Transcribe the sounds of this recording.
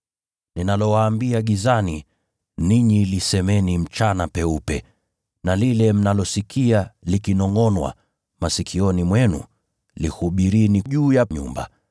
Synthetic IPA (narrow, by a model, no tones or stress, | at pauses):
ninalɔwaːmbiaɠizani | niɲilisɛmɛnim̩t͡ʃanapɛupɛ̰ | nalilɛm̩nalɔsikʰialikinɔŋɔnwa̰ | masikʰiɔnimwɛnṵ | lḭhuɓiɾiniʄuːjaɲṵmba̰